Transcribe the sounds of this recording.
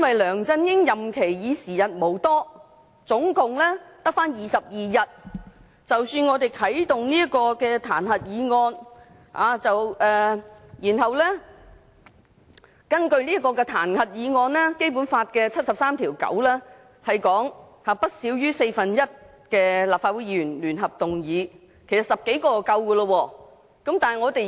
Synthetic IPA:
jɐ˥nwɐ˨jlœː˨˩ŋt͡sɐ˧njɪ˥ŋjɐ˨˩mkʰe˨˩jjiː˨˧siː˨˩jɐ˨t̚mo˨˩wt̪ɔː˥ | t͡sʊ˨˥ŋkʊ˨ŋlɛ˥t̪ɐ˥k̚faː˥njiː˨sɐ˨p̚jiː˨jɐ˨t̚ | t͡sɐ˨wsyː˧nŋɔː˨˧t̪e˨jt̪ʰɐ˨˥jt̪ʊ˨ŋniː˥ɐ˥t̚kɔː˧kɛː˧t̪ʰa̰ː˨˩nhɐ˨t̚jiː˨˧ŋɔː˧n | ha̰ː˨˧t͡sɐ˨wɛː˨˩jiː˨˩nɦɐ˨wlɛː˥ | kɐ˥nkɵ˧ɥniː˥ɐ˥tkːɔː˧kɛː˧t̪ʰaː˨˩nhɐ˨t̚jiː˨˧ŋɔː˧nlɛː˥ke˥jpu˨˥nfaː˧t̚kɛː˧t͡sʰɐ˥t̚sɐ˨p̚saː˥mt̪ʰiː˨˩wkɐ̰˨˥wlɛː˥ | hɐ˨jkɔː˨˥ŋ | haː˨pɐ˥t̚siː˨˥wjyː˥se˧jfɐ˨njɐ˥t̚ | kɛː˧laː˨p̚faː˧t̚wu˨˧˥jiː˨˧˥jyː˨˩nlyː˨˩nɦɐ˨p̚t̪ʊ˨ŋjiː˨˥ | kʰe˨˩sɐ˨˩tsɐ˨p̚ke˨˥jkɔː˧kɐ˧wkəː˧lə˧wɔː˧ | kɐ˨˥mt̪aː˨nhɐ˨jŋɔː˨˧t̪e˨

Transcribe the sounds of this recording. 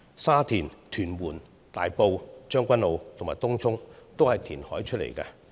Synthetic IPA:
saː˥t̪ʰiː˨˩nt̪ʰyː˨˩nwuː˨˩n | t̪aː˨jpo˨˧wt͡ʃœː˥ŋkʷɐ˥nlo˨˧wt̪ʰʊ˨˩ŋmaː˨jt̪ʊ˥ŋt͡sʰʊ˥ŋt̪o˥whɐ˨jt̪ʰiː˨˩nhɔː˨˥jt͡ʃʰɵ˥t̚lḛ˨˩jkɐ̰ː˧

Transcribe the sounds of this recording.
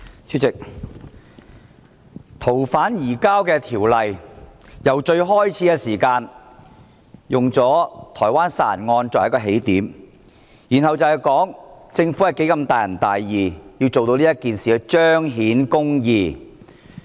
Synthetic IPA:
t͡sʰyː˥tt͡sɪ˨k̚ | t̪ʰo˨˩wfaː˨˥njiː˨˩kaː˥wkɛː˧t̪ʰiː˨˩wlɐ˨jjɐ˨˩wt͡ʃɵ˧ɥɦɔː˥jt͡sʰiː˨˥kɛː˧siː˨˩kaː˧n | jʊ˨ŋt͡sɔː˨˥t̪ʰɔː˨˩jwaː˥nsa̰ː˧˥ɐ˨˩nŋɔː˧nt͡sɔ˨jɐ˥kːɔː˧ɦe˨˥jt̪iː˨˥m | jiː˨˩nhɐ˨wt͡sɐ˨wɐ˨jkɔː˨˥ŋt͡sɪ˧ŋfu˨˥ɐ˨˩jke˨˥jkɐ˧mt̪aː˨jɐ˨˩nt̪aː˨jːiː˨jiː˧wt͡so˨wt̪o˧wliː˥ɐ˥kiː˨nsiː˨kɛ˧t͡ʃœː˥ŋɦiː˨˥nkʊ˥ŋjiː˨˧

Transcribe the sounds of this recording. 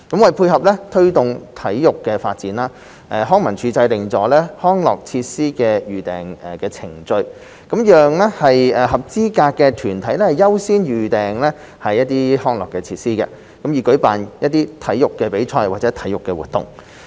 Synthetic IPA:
kɐ˨˥mwɐ˨jpʰuː˧jhɐ˨p̚lɛ˥t̪ʰɵ˥ɥt̪ʊ˨ŋt̪ʰɐ˨˥jːʊ˨kːɛː˧faː˧t̚t͡siː˨˥nlaː˧˥ | ʔɛː˨˩ɦɔː˥ŋmɐ˨˩nt͡ʃʰyː˨˧t͡sɐ˧jlɪ˨ŋt͡sɔː˨˥lɛː˥hɔː˥ŋlɔ̰ː˨˩k̚t͡sʰiː˧t̚siː˥kɛː˧jyː˨˩t̪ɛː˨˩ŋɛ˨˩kɛː˧t͡sʰɪ˨˩ŋt͡sɵ˧ɥ | kɐ˨˥mjœː˨ŋlɛ˥hɐ˨jɛː˨˩hɐ˨p̚t͡siː˥kaː˧kːɛː˧t̪ʰyː˨˩nt̪ʰɐ˨˥jlɛ˥hɐ˨˩jɐ˥wsiː˥njyː˨˩t̪ɛː˨ŋlɛː˥ | hɐ˨jːɐ˥t̚t̪iː˥hɔː˥ŋlɔ̰ː˨kːɛː˧t͡sʰiː˧t̚siː˥kɛ̰˧ | kɐ˨˥mjiː˨˩kɵ˨˥ɥpaː˨njɐ˥t̚t̪ːiː˥t̪ʰɐ˨˥jjʊ˨kːɛː˧pe˨˥jt͡ʃʰɔː˧jwa̰ː˨t̚t͡sɛː˨˥t̪ʰɐ˨˥jʊ˨kːɛː˧wṵː˨t̚t̪ʊ̰˨˩ŋ

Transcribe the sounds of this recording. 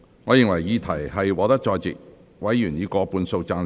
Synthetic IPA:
ŋɔː˨˧jɪ˨˩ŋwɐ˨˩jiː˨˧t̪ʰɐ˨˩jhɐ˨jwɔː˨˧t̪ɐ˥k̚t͡ʃɔː˧jt͡sɪ˨k̚ | wɐ˨˥jːyː˨˩njiː˨˧kɔː˧puː˧nso˧wt͡saː˧n

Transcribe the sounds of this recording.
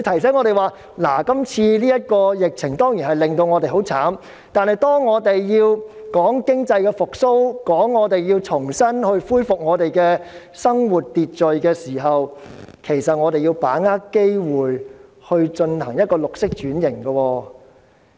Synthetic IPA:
t̪ʰɐ˨˩js̬ɛː˨˥nŋɔː˧ɾe˨˩jwaː˨ | laː˨˩kɐ˥mt͡sʰiː˧liː˥jɐ˥t̚kɔː˧jɪ˨k̚t͡sʰɪ˨˩ŋt̪ɔː˥ŋjiː˨˩nhɐ˨˩jlɪ˨˩ŋt̪o˧wŋɔː˨˧t̪e˨jɦo˨˥wt͡sʰaː˨˥m | t̪aː˨nhɐ˨jt̪ɔː˥ŋːɔː˨˧t̪e˨jjiː˧wkɔː˨˥ŋkɪ˥ŋt͡sɐ˧jkɛː˧fʊ˨k̚so˥wkɔː˨˥ŋːɔː˨˧t̪e˨jjiː˧wt͡sʰʊ˨˩ŋsɐ˥nhɵ˧ɥfuː˥jfʊ˨k̚ŋɔː˨˧t̪e˨jkɛː˧ | sɐ˥ŋwuː˨˩t̚t̪iː˨t̚t͡sɵ˨ɥkɛː˧siː˨˩ɦɐ˨wkʰe˨˩jsɐ˨t̚ŋɔː˨˧t̪e˨jiː˧wpaː˨˥ŋaː˥kke˥jwuː˨j | hɵ˧ɥt͡ʃɵ˧nhɐ̰˨˩ŋjɐ˥t̚kɔː˧lʊ˨k̚sɪ˥k̚t͡ʃyː˨˥njɪ˨˩ŋɡɐ˧wɔː˧

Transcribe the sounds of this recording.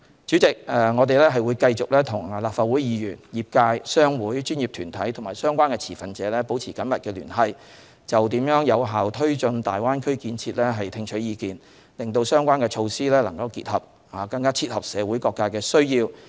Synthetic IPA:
t͡syː˨˥t͡sɪ˨k̚ɛ˨˧ŋɔː˨˧t̪̬e˨jlɛː˥ɦɐ˨jwuː˨˧jkɐ˧jt͡sʊ˨k̚lɛː˥t̪ʰʊ˨˩ŋlaː˨p̚faː˨t̚wu˨˥jjiː˨˧jyː˨˩njiː˨p̚kaː˧jsœː˥ŋwuː˨˥jt͡ʃyː˥njiː˨p̚t̪ʰyː˨˩nt̪ʰɐ˨˥jt̪ʰʊ˨˩ŋmaː˨˩jsœː˥ŋkʷaː˥nkɛː˧t͡sʰiː˨˩fɐ˨nt͡sɛː˨˧lɛː˥po˨˥wt͡sʰiː˨˩kɐ˨˥nmɐ˨t̚kɛː˧ly̰ː˨˩nɦɐ˧j | t͡sɐ˨wt̪iː˨˥mjœː˨˥ŋjɐ˨˧wɦaː˨˩wt̪ʰɵ˥ɥt͡ʃɵ˧nt̪aː˨jwaː˥nkʰɵ˥ɥkiː˧nt͡sʰiː˧t̚lɛː˥ɦɐ˨jt̪ʰɪ˧ŋt͡ʃʰɵ˨˥ɥjiː˨˧kiː˨n | lɪ˨˩ŋt̪o˧wsœː˥ŋkʷwaː˥nkɛː˧t͡ʃʰo˧wsiː˥lɛː˥lɐ˨˩ŋkɐ˧wkḭː˧t̚hɐ˨p̚ | aː˨˩kɐ˧ŋkaː˥t͡sʰiː˧t̚hɐ˨p̚sɛː˨˧wuː˨˥jkɔː˧kːaː˧kɛː˧sɵ˥ɥjiː˧w

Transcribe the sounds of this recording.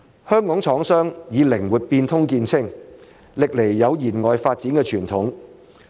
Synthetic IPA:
hœː˥ŋkɔː˨˥ŋt͡sʰɔː˨˥ŋsœː˥ŋjiː˨˧lɪ˨˩ŋwuː˨˩t̚piː˧nt̪ʰʊ˥ŋkiː˧nt͡sʰɪ˥ŋ | lɪ˨k̚le˨˩jːɐ˨˧wjiː˨˩nŋɔː˨jfaː˧t̚t͡siː˨˥nkɛː˧t͡ʃʰyː˨˩nt̪ʰʊ˨˥ŋ

